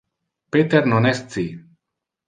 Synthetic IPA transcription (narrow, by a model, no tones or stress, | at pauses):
pet̪eɾnonest̪t͡si